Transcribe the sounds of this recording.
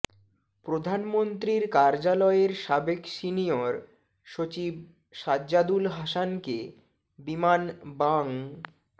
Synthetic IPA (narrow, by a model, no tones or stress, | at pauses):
pɾod̪ʱanmont̪ɾiɾkaɾd͡ʑalɔeɾʃabekʃinioɾ | ʃot͡ɕib̚ | ʃadːd͡ʑad̪ulɦaʃanke | bimanbaŋ